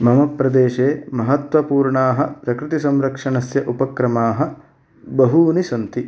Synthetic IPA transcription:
mɐmɐpɾɐd̪eːʃeːmɐɦɐt̪ʋɐpuːɾɳaːɦɐpɾɐkɾɪt̪isɐmɾɐkʂɐɳɐsjɐʔupɐkɾɐmaːɦɐ̆ | bɐɦuːnisɐnt̪i

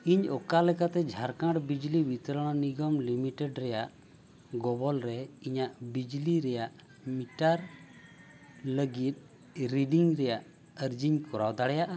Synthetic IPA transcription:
iɲɔkalɛkat̪ɛd͡ʒʱaɾkãɽbid͡ʒlibit̪əɾɔɽ̃ɔniɡɔmlimiʈɛɖɾɛjaʔ | ɡɔbɔlɾɛiɲaʔbid͡ʒliɾɛjaʔ | miʈaɾ | ləɡit̪̚ˀ | ɾiɖiŋɾɛjaʔ | əɾd͡ʒiɲkɔɾawd̪aɽɛjaʔa

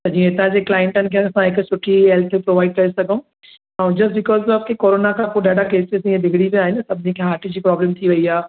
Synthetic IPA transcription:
t̪ɐd͡ʑĩːẽɪt̪ãd͡ʑeːklaːɪ̃ɳʈənɪ̆kʰẽɐsãɦɪksʰʊʈʰiɦɛlt̪ʰpɾoːʋaːɪɖ̚kɐɾesɐɡʱə̃ũ | ãːd͡ʑɐsbɪkɔːzɐpkekoːɾoːnakʰãːpoːɗaːɖakeːsɪzĩẽd̪ʱɪɡʱɽiʋiaːɦɪnsɐbʱɪnĩkʰeɦaːʈʰid͡ʑiːpɾɔːblə̃mt̪ʰiʋɐiaː

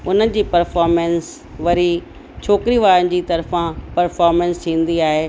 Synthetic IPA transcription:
ʊnə̆d͡ʑiːpɐɾfɔːɾmɛ̃ns | ʋɐɾi | t͡ɕʰoːkɪɾiʋaːɾənɪ̆d͡ʑiːt̪ɐɾfãpɐɾfɔːɾmɛ̃nst̪ʰĩːn̆d̪iaːɦeː

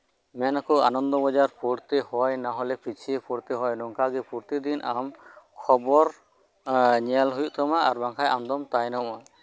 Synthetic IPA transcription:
mɛnakɔanɔnd̪ɔbɔd͡ʒaɾpuɾt̪ehɔjnaɦɔlɛpit͡ʃʰipuɾt̪ɛɦɔjnɔŋkaɡɛpuɾt̪id̪inʔamkʰɔbɔɾ | ɲalɦujuʔt̪ɔmaʔaɾbaŋkʰajʔamd̪ɔmt̪ajnɔma

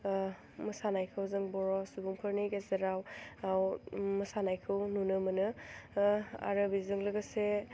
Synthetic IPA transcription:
mɯsanajkʰɯwzɯŋbɔɾɔsubuŋpʰɯɾnijɡezeɾawawmɯsanajkʰɯwnunɯmɯnɯ | a̰ɾɯbizɯŋlɯɡɯse

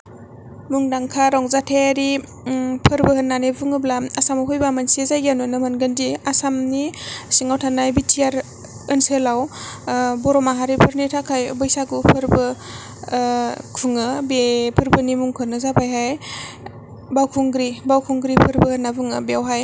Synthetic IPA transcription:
muŋdaŋkʰaɾɔŋzatʰeɾi | pʰɯɾbɯhɯnːanebɯŋɯblaasamaɦujbamansizajɡanɯnɯmanɡəndiasamnisiŋawtʰanajbitʰijaɾ | ɯnsɯlaw | bɔɾɔmaɦaɾipʰɯɾnitʰakʰajbɯjsaɡupʰɯɾbɯ | kʰuŋɯbepʰɯɾbɯnimuŋkʰɯnɯzabajɦaj | bawkʰuŋɡɾibawkʰuŋɡɾipʰɯɾbɯhɯnːabɯŋɯbiawɦaj

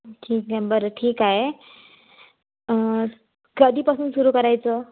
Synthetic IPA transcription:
ʈʰiːkabəɾəʈʰiːkaɦe | ɡəd̪iːpasuːnsuɾuːkəɾajt͡sə

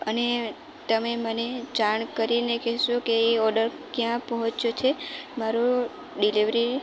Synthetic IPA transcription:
əne | t̪əmeməned͡ʒaɳkəɾinekɛɦʃũkeeɔɾɖəɾ | kjãpəɦɔ̃t͡ʃjot͡ʃʰemaɾo | ɖiliʋɾi

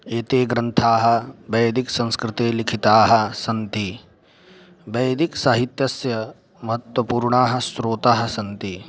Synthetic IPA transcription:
eːt̪eːɡɾɐnt̪ʰaːɦɐ̆bɐjɐd̪iksɐ̃nskɾɪt̪eːlikʰit̪aːɦɐ̆sɐnt̪i | bɐjɐd̪iksaːɦit̪jɐsjɐ | mɐɦɐt̪wɐpuːɾɳaːɦɐ̆sɾoːt̪aːɦɐ̆sɐnt̪i

